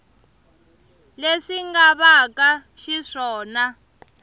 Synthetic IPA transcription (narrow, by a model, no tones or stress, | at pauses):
leʂiŋɡaβakʼaʃiʂɔːna